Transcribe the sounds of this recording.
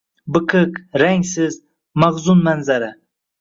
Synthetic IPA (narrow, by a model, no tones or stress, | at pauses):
bɨkʰɨkɾaŋsɪz | maʁzʊnmanzaɾɪ